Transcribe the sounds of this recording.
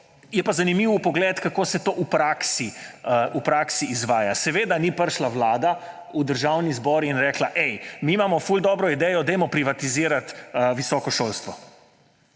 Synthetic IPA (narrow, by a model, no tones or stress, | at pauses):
jɛpazanimiːwpɔɡlɛt̪kakoːsɛt̪oʔupɾaːksiupɾaːksiːzʋaːjasɛʋeːd̪anipəɾʃlaʋlaːd̪a | ud̪əɾʒawnizbɔːɾinɾɛːklaʔɛjmiːmamɔfuld̪ɔːbɾɔid̪ɛjɔd̪ɛjmɔpɾiʋat̪iziːɾat̪ʋisɔkɔʃolst̪ʋɔ